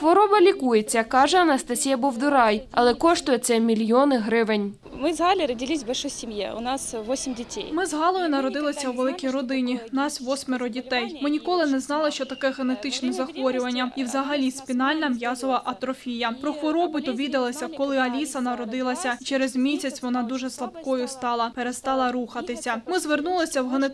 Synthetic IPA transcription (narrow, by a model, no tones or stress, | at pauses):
xʋɔɾɔbɐlʲikujet͡sʲːɐkɑʒɛɐnɐst̪ɐsʲijɐbɔwd̪ʊɾɑjɐlˠɛkɔʃt̪ʊjɛt̪sɛmʲilʲjɔnɪɦɾɪʋɪnʲ | mɪzɦalʲɪɾədʲɪlʲisʲbɐlʲʃɔjsʲɪmjḛʊ̰nassʋosʲɪmʲdʲɪtʲḛjmɪzɦɑlˠɔjʊnɐɾɔd̪ɪlˠɐsʲɐwʋelˠɪkʲijɾɔd̪ɪnʲinɑsʲʋɔsʲmʲeɾɔdʲit̪ɛjmɪnʲikɔlˠɪnɛznɑlˠɪʃt͡ʃɔt̪ɐkɛɣenet̪ɪt͡ʃnɛzɐxʋɔɾʲʊʋɐnʲːɐiwzɐɦɐlʲispʲinɑlʲnɐmjɑzɔʋɐʔɐt̪ɾɔfʲijɐpɾɔxʋɔɾɔbʊjd̪ɔʋʲid̪ɐlˠɐsʲɐkɔlˠɪɐlʲisɐnɐɾɔd̪ɪlˠɐsʲɐit͡ʃɛɾezmʲisʲɐt͡sʲʋɔnɑd̪uʒɛslˠɐbkɔjʊst̪ɑlˠɐpeɾest̪ɑlˠɐɾuxɐt̪ɪsʲɐmɪzʋernulˠɪsʲɐwɦene